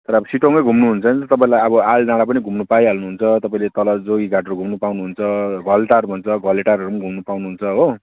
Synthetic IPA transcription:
t̪ʌɾʌbsiʈoŋʌjɡʱumnuɦunt͡sʰʌnit̪ʌt̪ʌp̬aĩlajʌbʌaldãɽapʌniɡʱumnupaiɦʌlnuɦunt͡sʰʌt̪ʌpaĩlet̪ʌlʌd͡zoɡiɡʱaʈʌɾuɡʱumnupawnuɦunt͡sʰʌɡʱʌlʈaɾbʱʌnt͡sʰʌɡʱʌleʈaɾʌɾumʌnɡʱumnupawnuɦunt͡sʰʌɦo

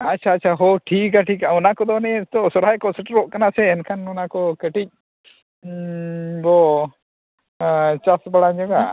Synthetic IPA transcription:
at͡ʃʰat͡ʃʰaɦɔʈʰik̬aʈʰikaɔnakɔd̪ɔnɛɛt̪ɔsɔɾajkɔsɛʈɾɔʔkanasɛɛnkʰanɔnakɔkəʈic̚ | bɔ | t͡ʃasbaɽaɲd͡ʒɔɡa

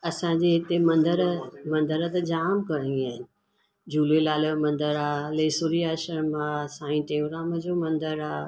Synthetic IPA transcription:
ɐsãd͡ʑeɦɪt̪emɐ̃nd̪əɾmɐ̃nd̪əɾət̪ɐd͡ʑaːmkɐɽ̃ĩaːɦɪnɪ̆ | d͡ʑuːlelaːlmɐ̃nd̪əɾaːleːsuɾiaːʃəɾmãsãːĩʈẽːɡɾaːməd͡ʑoːmɐ̃nd̪əɾaː

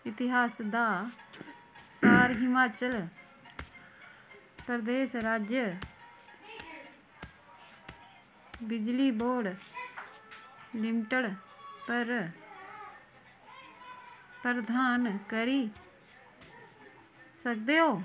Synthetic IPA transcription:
ɪt̪ɪɦaːsd̪aː | saːɾɦɪmaːt͡ʃəl | pɾəd̪eːsɾaːd͡ʒjə | bɪd͡ʒliːboːɖ | lɪmɪʈəɽpəɾ | pɾəd̪aːnkəɾiː | sək̚d̪eːɦoː

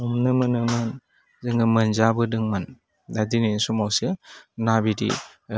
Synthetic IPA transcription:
ɔmnɯmɯnɯmɯn | zɯŋɯmənzabɯdɯŋman | dadinisumawsɯnabidḭ

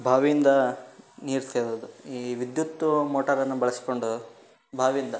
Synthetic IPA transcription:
bʱaːʋijind̪ɐniːɾt̪ʰeːɾɐd̪uiːʋid̪jut̪ːumoːʈɐɾɐnːubɐɭɐsi̥ko̞ɳɖu | bʱaːʋijind̪ɐ

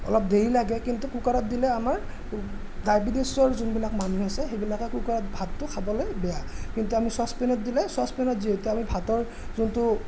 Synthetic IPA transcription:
ɔ̰lɔp̚deɹilaɡɛkintukukaɹɔt̚dilɛamaɹ | dajbidesɔɹzunbilakmanuɦasɛxejbilakɛkukaɹɔt̚bʱatːʊkʰabɔlojbɛjakintuamisɔspɛnɔt̚dilɛswaspɛnɔtziɦetɛamibʱatɔɹ | zuntʊ

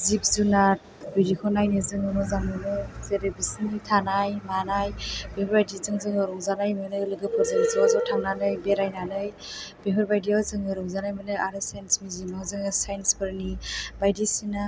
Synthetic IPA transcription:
zip̚zunat̚ | bujɾikʰɔnajnɯzɯŋɯnɔzaŋmɯnɯzeɾebisnitʰanajmanajb̥ehɔɾbajdizɯŋzɯŋɯɾɔŋzanajmɯnɯlɯɡɯpʰɯɾzɯŋzɯazɔtʰaŋnanɯjbeɾajnanɯj | b̥eɦɯɾbajdiazɯŋɯɾɔŋzanajmɯnɯjʔaɾɯsajnsmizimnaɦazɯŋɯsajnspɯɾnibajdisina

